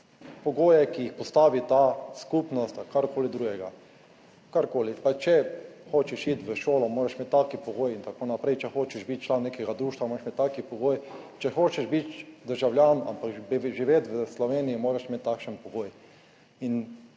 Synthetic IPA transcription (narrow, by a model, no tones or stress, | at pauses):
pɔɡoːjɛkijixpɔst̪aːʋit̪askupnɔst̪akaɾkoːlid̪ɾuːɡɛɡa | kaɾkoːlipat͡ʃɛxoːt͡ʃɛʃiːt̪ʋəʃoːlɔmoːɾɛʃmeːt̪ːakipɔɡoːjint̪akoːnapɾɛjt͡ʃɛxoːt͡ʃɛʃbit̪̚t͡ʃlannːeːkɛɡad̪ɾuːʃt̪ʋamoɾʃmet̪ːakipɔɡoːjt͡ʃɛxoːt͡ʃɛʃbit̪d̪əɾʒawljaːna̰mpakʒiʋet̪ʋəslɔʋeːniimoːɾaʃmet̪ːakʃənpɔɡoːj | in